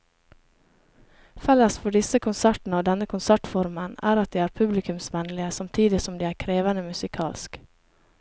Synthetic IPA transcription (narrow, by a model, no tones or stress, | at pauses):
fɛləsfɔɖɪsəkʰʊnsæʈn̩əoːd̪ɛnəkʰʊnsæʈfɔɾmənæ̰ːɾɑt̪̚d̪iːæːɾpʰʉblɪkʉmsʋɛnlɪəsɑmt̪ʰiːd̪ɪsɔmd̪iːæːɾkʰɾeːʋənəmʉsɪkʰɑːlsk